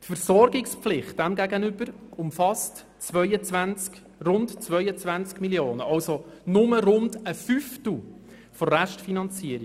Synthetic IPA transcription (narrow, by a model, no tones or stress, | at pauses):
tfəɾsɔrɡɪkspflɪχt̚d̥æmɡæɡənʏbəɾʊmfɑst | t͡sʋœʏət͡svænt͡sk | rʊndt͡svœʏət͡svænt͡skmiljoːnəʔɑwsonʊməɾʊndəfyftl̩ | fɔɾæʃtfinɑnt͡siəɾi